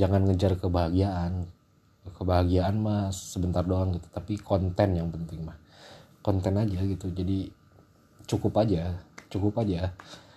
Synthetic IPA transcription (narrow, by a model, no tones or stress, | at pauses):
d͡ʒaŋanŋəd͡ʒarkəbaɦaɡiaʔan | kəbaɦaɡiaːnmahsəbənt̪ardoaŋɡit̪u̥t̪apikɔnt̪ɛnjaŋpənt̪ɪŋmah | kɔnt̪ɛnad͡ʒaɡit̪ud͡ʒadi | t͡ʃukʊpad͡ʒat͡ʃukʊpad͡ʒa